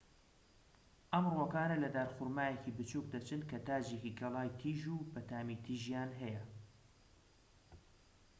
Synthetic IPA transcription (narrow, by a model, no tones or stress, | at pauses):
ʔɐmrwɐkaːnɐlɐd̪aːɾxʊɾmaːjecibɨt͡ʃuk̚d̪ɐt͡ʃɨnkʰɐt̪aːd͡ʒekikʰɐlˠaːjt̪ʰiːʒubɐt̪aːmit̪ʰiːʒjaːnɦɐjɐ